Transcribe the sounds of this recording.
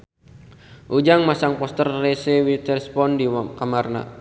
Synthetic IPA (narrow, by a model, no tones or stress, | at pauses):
ʔud͡ʒaŋmasaŋpɔst̪ərːɛsɛwit̪ərspɔndikamarna̰